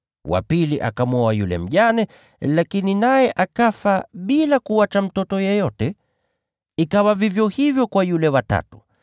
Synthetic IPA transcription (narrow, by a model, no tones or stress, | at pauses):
wa̰piliʔa̰kamɔwajulɛ̰m̩ʄanɛ | lakininajɛʔakafaɓilakuwat͡ʃam̩tɔtɔjɛjɔtɛ | ikawavivjɔhivjɔkwajulɛwata̰tu̥